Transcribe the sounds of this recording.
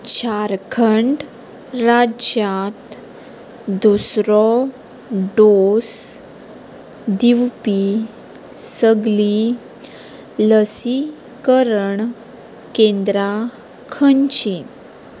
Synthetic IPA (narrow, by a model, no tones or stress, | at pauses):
t͡ɕaɾkʰəɳɖ | ɾad͡ʑat̪ | d̪usɾɔ | ɖos | d̪iwpi | səɡli | ləsi | kəɾəɳ | kend̪ɾa | kʰəɲt͡ɕi